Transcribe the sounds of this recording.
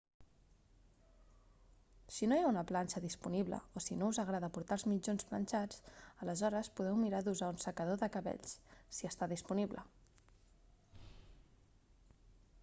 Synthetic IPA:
sinojaunəplanʲt͡ʃəðispuniβlə̰osinouzəɣɾaðəpuɾt̪alˠzmid͡ʒonsplə̰nʲt͡ʃat͡sələzɔɾəspuðɛwmiɾaðuzaunsəkəðoðəkəβɛ̰ʎssiəst̪aðispuniβlə̰

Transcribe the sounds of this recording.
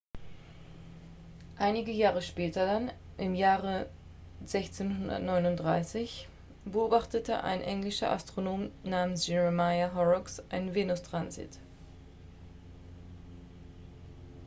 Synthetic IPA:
ʔaɪnɪɡəjaːʁəʃpɛːtɐdan | ʔɪmjaːʁə | zɛçt͡seːnhʊndɐ̰tnɔʏnʊntd̥ʁaɪsɪç | b̥əʔoːbaχtətəʔa̰ɪnʔɛŋlɪʃɐ̰ʔa̰stʁ̥onoːmnaːmənsʒ̥ɛʁəmaɪaɦɔʁɔksʔaɪnənveːnʊstʁ̥anzḭːt

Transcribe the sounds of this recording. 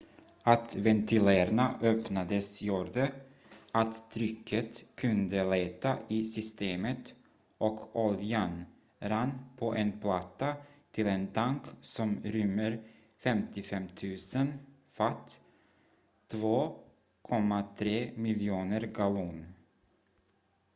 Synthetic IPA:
at̪vɛnt̪ʰɪlæːɾnaʔœpnad̪əsjuːɖə | ʔat̪t̪ʰːɾʏkʰːət̪kʰɵnd̪əleːt̪aʔɪsʏst̪eːmət̪ | ʔɔkʰɔljan | ɾanːpʰɔʔɛnpʰlat̪ːat̪ʰɪlɛnt̪ʰaŋksɔmɾʏmːəɾ | fɛmt̪ɪfɛmt̪ʰʉ̟ːsən | fat̪ː | voː | kʰɔmːat̪ʰɾeːmɪljuːnəɾɡaluːn

